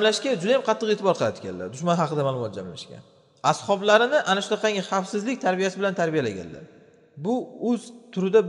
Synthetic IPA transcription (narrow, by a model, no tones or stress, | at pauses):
mlaʃkʲad͡ʒʊd̪ajamqʰɑt̪ʰːɨqet̪ʰɪbɒɾqʰɨlˠad̪ɪkʲʰa̰nla̰ɾd̪ʊʃmanɦɑqʰɨd̪amaːlˠʊmɒt̪̚d͡ʒamla̰ʃkʲa̰n | ashɒblaɾɪnɪʔanaʃʊd̪aqʰɑŋʲaχɑfsɪzlɪk̚ʲt̪ʰaɾbijasɪbɪlant̪ʰaɾbijala̰ɡʲa̰nla̰ɾ | bʊɵzt̪ʰʊɾɪd̪a